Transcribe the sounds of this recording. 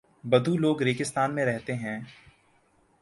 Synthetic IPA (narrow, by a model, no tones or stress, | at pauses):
bɐd̪ʱuloːɡɾeːkɪst̪aːnmẽɾɛɦt̪eɦɛ̃ː